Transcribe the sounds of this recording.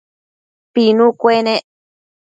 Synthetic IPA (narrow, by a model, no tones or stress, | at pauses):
pinũkʷene